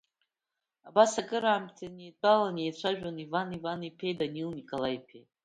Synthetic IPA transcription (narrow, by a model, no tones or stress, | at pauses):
abasakʼɨɾaːmtʰened̚balanejt͡ɕʷʰaʒᶣanivanivanipʰejdanilnikʼolaipʰḛ